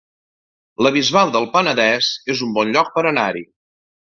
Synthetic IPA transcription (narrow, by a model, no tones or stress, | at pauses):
ləβ̞izβalˠd̪əlˠpənəðɛzezumbɔnʎɔk̚pəɾənaɾi